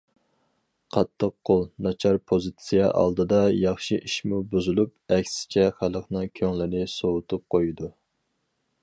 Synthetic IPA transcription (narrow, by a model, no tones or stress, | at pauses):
qʰɑt̪ʰːəqqʰːolˠnɑt͡ʃʰɑɾpʰozɨt̪sijɛʔɑ̰lˠd̪ɨd̪ɑjɑχʃiʔiʃmubuzulˠup̚ɛkʲsɪ̥t͡ʃʰɛχælˠəqnɨŋkʲʰøŋlɪnɪsowʊt̪ʰup̚qʰojid̪u